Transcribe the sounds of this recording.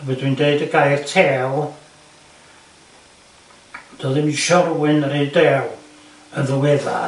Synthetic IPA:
wɛdwindeɨdəɡajrtʰɛːlˠ | d̥ɔːðɪmiʃɔrwɪnəɾedɛːwˠ | ənðəwɛða̰

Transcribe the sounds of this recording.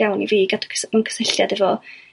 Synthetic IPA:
awniviːɡatʰsmənkʰə̥səɬja̰dɛvɔ

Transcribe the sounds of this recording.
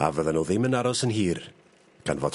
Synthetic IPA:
a̰vəðənuðɪmənaɾɔsənɦiːr | ɡ̥a̰nvɔt

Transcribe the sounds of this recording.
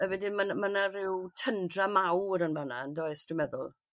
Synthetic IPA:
əvɛdɪnmanmanarɪwtʰəndramawɾənvanandoɨstrɪmɛðʊ̰lˠ

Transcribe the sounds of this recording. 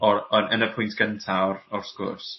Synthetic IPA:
ɔɔnənəpʰʊ̃jntʰɡ̥əntʰawrɔrsɡʊ̰rs

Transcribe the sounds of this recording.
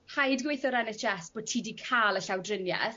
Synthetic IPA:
hajdɡweɨθɔɾɛnɛt͡ʃɛsb̥oːtʰiːdikʰaːlˠəɬawdrɪnjɛ̰θ

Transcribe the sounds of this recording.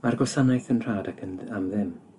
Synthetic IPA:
marɡɔsanajθənr̥aːdakʰənamðɪm

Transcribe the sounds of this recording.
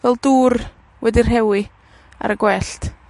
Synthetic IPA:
vɛlˠduːr | wɛdir̥ɦɛwi | a̰ɾəɡwɛɬt

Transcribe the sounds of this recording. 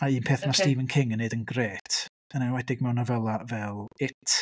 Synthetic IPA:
aiːnpʰeːθnastiːvənkʰɪŋənːedənɡreːtʰd̥ənawɛdɪɡ̚mɛwnavɛlˠavɛlˠɪtʰ

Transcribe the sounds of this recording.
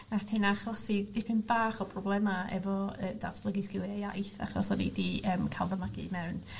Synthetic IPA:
naθhɪnaχɔsidɪpʰɪnbaːχɔpʰrɔblˠɛmaɛ̰vɔəːda̰tʰb̥ləɡisɡ̥ɪlˠjaja̰jθa̰χɔ̰sɔnḭdiəːmkʰalˠvəmaɡḭmɛwn

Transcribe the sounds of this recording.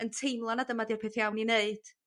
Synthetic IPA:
əntʰejmlˠɔnadəmadirpʰeːθijawnineɨd̥

